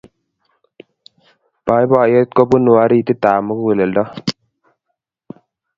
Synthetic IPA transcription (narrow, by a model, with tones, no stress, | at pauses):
pa˨˦jba˨je˦t̪̚kɔ˦bu˦nu˨wa˨˦ɾiː˦˨t̪i˦t̪aː˨mu˦kwe˨le˨ldɔ˦